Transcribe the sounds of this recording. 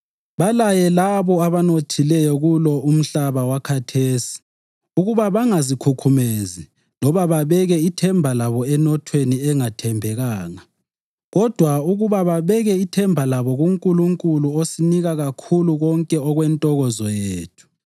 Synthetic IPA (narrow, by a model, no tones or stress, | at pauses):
βalajɛlaβɔaβanotʰilɛjɔɣulɔum̩ɬaβawakʰatʰeːsi̥ | uɣuβaβaŋazikʰukʰumezi | lɔβaβaβɛɣɛitʰɛmbʱalaβɔɛnɔtʰweniɛŋatʰɛmbʱɛɣaːŋa | ɣɔd̥ʱwauɣuβaβaβɛɣɛitʰɛmbʱalaβɔɣuŋkʼuluŋkʼuluosiniɣaɣakʰuluɣɔŋkʼɛɔɣwɛntʼɔɣɔzɔjeːtʰu̥